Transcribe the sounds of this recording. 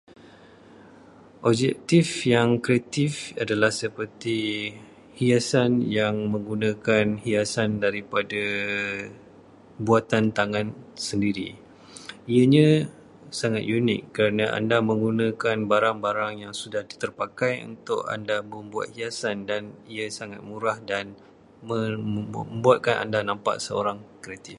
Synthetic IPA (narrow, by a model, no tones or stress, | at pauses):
ʔɔb̚d͡ʒɛk̚t̪ifjaŋkɾeat̪ifadalahsəpərt̪i | hiasanjaŋmə̃ŋɡunãkanhiasandaɾipada | buat̪ant̪aŋãnsəndiɾḭ | ijəɲə̃ | saŋat̪̚junɪ̰kːəɾanaʔa̰ndamə̃ŋɡunãkanbaɾaŋbaɾaŋjaŋsudahdit̪ərpakajṵnt̪ʊ̰ʔa̰ndaməmbua̰t̪̚hiasandaniəsaŋat̪̚muɾahdan | mə | mbuat̪̚kanʔa̰ndanãmpa̰ʔsəo̰ɾaŋkəɾet̪ɪf